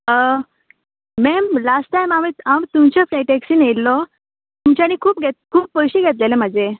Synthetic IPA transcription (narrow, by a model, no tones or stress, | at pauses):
ə | mɛmlasʈajmamiːt̪amt̪umt͡ɕɔfɾiʈeksiːnelːɔ | t̪umt͡ɕañiːkʰuːpɡʱet̪̚kʰuːpːəjɕiːɡʱet̪̬lelem̤ad͡ʑe